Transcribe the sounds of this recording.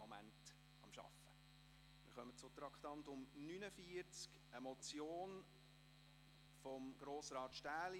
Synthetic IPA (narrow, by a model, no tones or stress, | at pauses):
omæ̰nt | ɑmʃɑ̰fə | mɪ̰ɾχœmət͡sʊt̪ɾɑktɑntʊmnynəfiəɾt͡sk | əmɔt͡sjoːn | fɔmɡ̥ɾoːsɾɑːt̪ʃtæːli